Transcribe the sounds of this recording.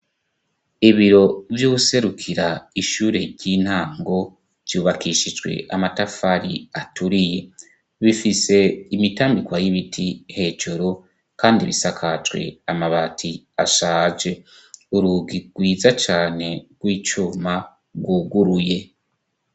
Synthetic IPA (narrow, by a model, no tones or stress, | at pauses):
iβiɾo̞vjuse̞ɾukʰiɾaiʃuːɾe̞ɾɟ̥iːn̥haːŋɡo̞̥ | juːβakiʃid͡ʒɡwe̞̰ʔamatafaɾḭatuɾije | βifise̞imitaːmbikwajiβitʰihe̞ːd͡ʒuɾu | kaːndiβḭsakʰat͡ʃwe̞̰amaβatʰi | aʃaːd͡ʒe̞ | uɾuɡiɡ̥wiːzat͡ʃaːne̞ɡ̥wiːt͡ʃuːma | ɡwuːɡuɾuje̞